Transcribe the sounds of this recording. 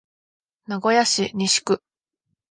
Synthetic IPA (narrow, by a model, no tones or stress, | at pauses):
naɡo̞jaɕiɲʲiɕi̥kɯ̟